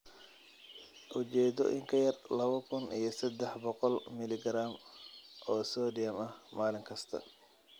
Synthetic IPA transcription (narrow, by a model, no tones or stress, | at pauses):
ʔʊt͡ʃɛːd̪ɔʔɪ̰ŋkʰɐjɐrlɐβɐkʰʊnḭjɞsɐd̪ɛħbɔqɔlmɪlɪɡɾaːmʔɔːsɔːdɪjɐmɐhmaːlɪŋkʰɐst̪ʰɐ̰